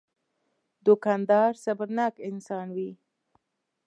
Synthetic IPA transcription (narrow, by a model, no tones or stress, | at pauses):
d̪ʊkɑnd̪ɑɾsabəɾnɑkɪnsɑnwi